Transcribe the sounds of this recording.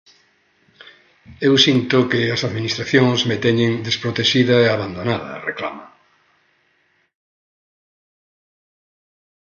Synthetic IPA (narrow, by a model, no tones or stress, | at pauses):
ewsint̪ʊkɪɐsaðminist̪ɾaθjõŋzmet̪eɲɪ̃ŋd̪espɾot̪eʃiðɐeaβand̪onaðɐ̰rekla̰ma